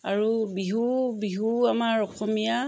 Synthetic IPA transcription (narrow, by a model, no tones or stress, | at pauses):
aɹubiɦubiɦuamaɹɔxɔmija